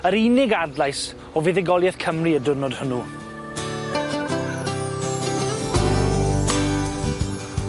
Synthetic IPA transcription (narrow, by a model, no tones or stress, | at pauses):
əɾinɪɡadlajs | ɔviðɛɡɔlˠjɛθkʰəmriədʊrnɔd̥hʊnu